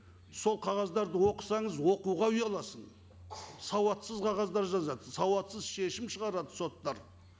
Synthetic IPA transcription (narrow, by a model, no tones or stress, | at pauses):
so̞lˠqʰɑʁɑzd̪ɑɾd̪əwoqə̥sɑɴəzwo̞quʁɑʏjɑlˠɑsən | sɑwɑt̪səzqʰɑʁɑzd̪ɑɾʒɑzɑd̪əsɑwɑt̪səzʃe̞ʃɪmʃəʁɑɾɑd̪əso̞t̪ːɑɾ